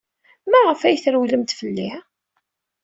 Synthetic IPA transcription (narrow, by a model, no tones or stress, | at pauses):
mæʁəfæjθɾwləmt̪fəlːɪʕ